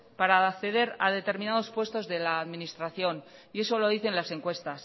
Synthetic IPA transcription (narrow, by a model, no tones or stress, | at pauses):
paɾaːkθe̞ðe̞ɾa̰ð̞e̞t̪e̞ɾmĩnað̞o̞spwe̞st̪o̞zðe̞laːðminist̪ɾaθjo̞n | ie̞so̞lo̞ðiθe̞nlase̞ŋkwe̞st̪as